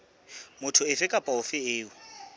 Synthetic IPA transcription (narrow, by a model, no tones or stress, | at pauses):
mʊtʰʊɪfɪkʼapʼaʊfɪɪːʊ